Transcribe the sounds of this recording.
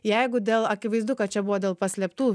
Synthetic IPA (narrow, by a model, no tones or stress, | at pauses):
jɛɪɡʊd̪ʲeːlˠɐkʲɪʋɐɪzd̪ʊkɐt̪̚t͡ʃʲɛbʊʋoːd̪ʲeːlˠpɐsʲlʲɛpt̪uː